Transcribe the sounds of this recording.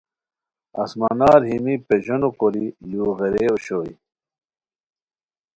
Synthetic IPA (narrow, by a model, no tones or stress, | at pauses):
ɐ̰smanaːɾɦimipeʑonokoɾiluːɣeɾeoɕoḭ